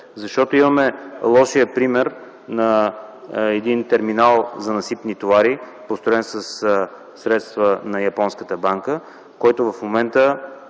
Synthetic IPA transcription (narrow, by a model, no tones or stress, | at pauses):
zɐʃt̪ɔt̪oimɐmɛlˠɔʃijəpɾimɛɾ | nɐ | ɛd̪int̪ɛɾminalˠzɐnɐsip̪nit̪ovaɾi | post̪ɾoɛnsɐs | sɾɛt̪st̪vənɐjɐpɔnskət̪əbaŋkə | kɔjt̪ovɐfmomɛnt̪ə